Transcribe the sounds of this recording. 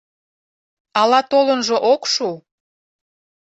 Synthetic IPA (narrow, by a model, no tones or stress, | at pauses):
ɑlɑt̪olənʒoʔokʃu